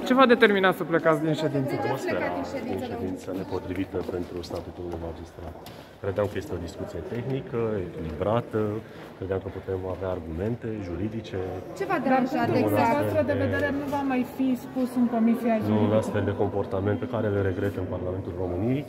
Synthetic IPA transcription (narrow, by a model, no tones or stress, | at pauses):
t͡ʃe̞vad̪e̞t̪e̞rminat̪səple̞kat̪sd̪inʃe̞d̪insəoseaid̪inʃed̪int̪səne̞po̞t̪ɾivit̪əpe̞nt̪ɾust̪at̪ut̪ulunuijmad͡ʒist̪ɾat̪ | kɾe̞d̪eamkəje̞st̪eo̞d̪iskut̪sije̞t̪e̞xnikəekʲilibɾat̪ə | kɾe̞d̪eamkəput̪e̞maveaːrɡume̞nt̪e̞ʒuɾid̪it͡ʃe̞t͡ʃevad̪aɾut̪uuaavaset̪ɾəd̪eveeɾenuvamajfispusɨŋko̞misianuunast̪feld̪e̞ko̞mpo̞rt̪ament̪pekaɾelɾe̞ɡɾe̞t̪ɨnparlame̞nt̪ulro̞mɨnijej